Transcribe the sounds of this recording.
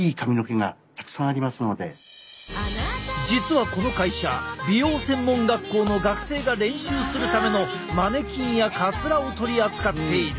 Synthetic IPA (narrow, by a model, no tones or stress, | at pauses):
iːkamʲino̞ke̞ŋa̰ | t̪ḁkɯ̥sãɰ̃aɾʲimasɨno̞d̪e̞ | d͡ʑit͡sɨβako̞no̞kaiɕa̰bʲijo̞ːsẽ̞mːõ̞ŋɡakːo̞ːno̞d̪akɯ̥se̞ːɡaɾẽ̞ɰ̃ɕɨːsɨɾɯ̟t̪ame̞no̞ | mane̞kʲĩɰjakat͡sɨɾao̞t̪o̞ɾʲiat͡sɨ̥kat̪ːe̞iɾɯ